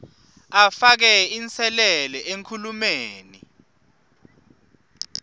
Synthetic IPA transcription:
afak̬ɛint͡sʰɛlɛlɛʔeŋkʰulumeːnḭ

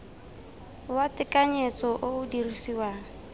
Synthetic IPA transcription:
watʼɪkʼaɲet͡sʼɔʔoʊdirisiwa

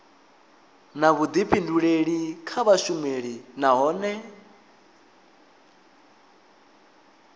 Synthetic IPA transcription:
naβud̪ipʰinduɺeɺikʰaβaʃumeɺinaɦɔːnɛ

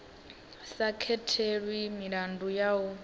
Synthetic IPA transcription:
sakʰɛtʰeɺwimiɺandujau

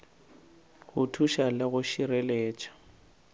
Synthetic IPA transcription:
hʊtʰuʃalɪɣʊʃireleːt͡ʃʼḁ

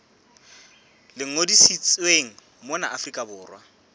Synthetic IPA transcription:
lɪŋ̩odisit͡sʼweŋ̩ | mʊna̰ʔafrikʼabʊːrwa

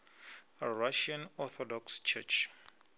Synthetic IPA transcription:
ɹaʃãnɔθɔdɔkst͡ʃʰɛ̰t͡ʃ

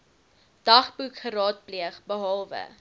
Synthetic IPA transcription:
d̥ɐχbukχəɾɑːt̚pliəχbəɦɑlˠvə̰

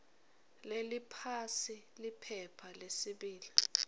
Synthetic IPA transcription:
lelipʰasi | lipʰɛpʰalesiɓiːli

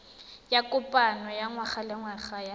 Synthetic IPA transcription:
jakʼʊpʼanɔjaŋwaχalɪŋwaχaja

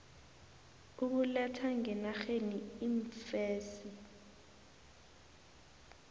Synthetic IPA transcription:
uk̬ulɛtʰaŋɛnaxeniiɱfɛːsi

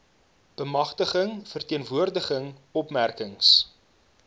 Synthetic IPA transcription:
b̥əmɐχtəχəŋfərtiənvuərdəχəŋɔpmærkəŋs

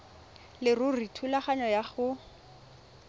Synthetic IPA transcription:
lɪrʊritʰulaχaɲɔjaχʊ

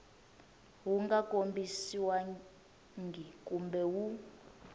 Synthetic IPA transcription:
wuŋɡakʼombisiwa | ŋɡʱikʼumbɛwu

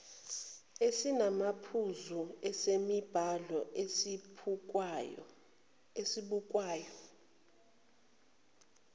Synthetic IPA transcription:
esinamapʰuzuɛsemib̥ʱalɔ | esiɓuk̬ʼwaːjɔ

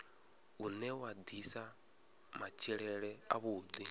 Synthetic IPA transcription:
unɛwad̪isa | mat͡ʃʰiɺɛɺɛa̰βuːd̪i

